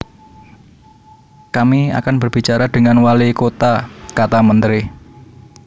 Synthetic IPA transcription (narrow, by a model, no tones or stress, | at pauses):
kamia̰kanbərb̥it͡ʃaɾad̪̥əŋanwalikot̪akat̪amənt̪ɾɪ